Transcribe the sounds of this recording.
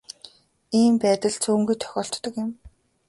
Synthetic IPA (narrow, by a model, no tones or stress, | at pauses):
iːmpæːt̪ə̆ɮt͡sʰuːŋɡujt̪ʰœ̥xʲɔːɬt̪ːɞ̆kɪ̆m